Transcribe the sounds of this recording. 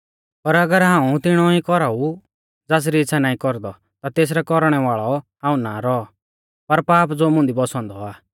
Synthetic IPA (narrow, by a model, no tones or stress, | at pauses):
pɐɾɐɡəɾɦãːũt̪ɪɽ̃ɔikɔɾau | d͡zaːs̬ɾiɪt͡sʰːanaːĩkɔɾd̪ɔ | t̪at̪eːs̬ɾɛkɔɾɽ̃ɛʋaːɭɔɦãːũnaɾɔ | pɐɾpaːpd͡zoːmʊ̃nd̪ibɔsɔ̃ːnd̪ɔaː